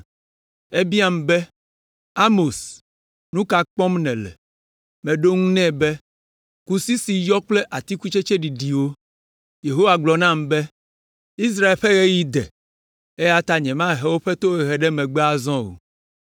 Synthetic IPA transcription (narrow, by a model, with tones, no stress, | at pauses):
e˦bi˦a˦m˨bɛ˦ | a˦mo˨s | nũ˦ka˨k͡pɔ̃˦mnɛ̃˨lɛ̰˨ | mɛ̃˨ɖo˦ŋũ˦nɛ̃˦bɛ˦ | ku˦si˦si˨jɔ˦k͡ple˦ʔa˨t̪i˦ku˦t͡ʃe˦t͡ʃe˦ɖi˨ɖi˨wo˦ | je˨ɦo˦wa˨ɡ͡blɔ˨nã˦˨mbɛ˦ | i˦s̬ɾa˦e˨lɸe˦ɣe˦ji˦d̪ɛ̰˨ | e˦ja˦t̪a˦ɲɛ̃˨mã˦˨ɦɛ˦wo˦ɸɛ˦t̪o˦ɛ˨ɦɛ˨ɖɛ˦mɛ̃˨ɡ͡bɛ˦a˨zɔ̃˦o̰˨